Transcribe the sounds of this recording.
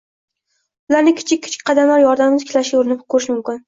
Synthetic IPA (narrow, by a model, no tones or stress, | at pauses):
ʊlaɾnɪkʲʰɪ̥t͡ʃʰɪkʲʰːɪ̥t͡ʃʰɪ̥k̚ʲqʰɑd̪amlaɾjɒɾd̪amɪzɪkʲʰɪlaʃɡʲaʊɾɪnɪp̚kʰɵɾɪʃmʊmkʲɪn